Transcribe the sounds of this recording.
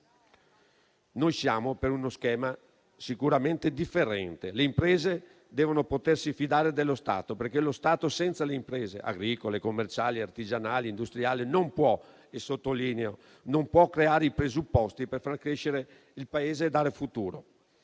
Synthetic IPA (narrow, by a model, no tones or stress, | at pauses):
nojsjaːmopeɾunoskɛːma | sikuɾament̪ed̪ifːeɾɛnt̪eleimpɾeːze | d̪ɛːvonopot̪ersifid̪aːɾed̪elːost̪a̰ːt̪operk̟elost̪aːt̪osɛnt̪saleimpɾɛːzḛʔa̰ɡɾiːkolekomːert͡ʃaːliart̪id͡ʒanaːliːnd̪ust̪ɾiaːlinompwɔ | esot̪ːoliːneo | nompwɔkːɾeaːɾeipɾezupːɔst̪iperfarkɾeʃeɾe | ilpaeːzeːd̪aːɾefut̪uːɾo